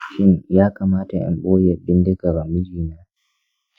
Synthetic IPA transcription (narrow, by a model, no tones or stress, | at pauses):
ʃinjaːkamaːtaʔa̰nɓoːiabindɛɡabamid͡ʒina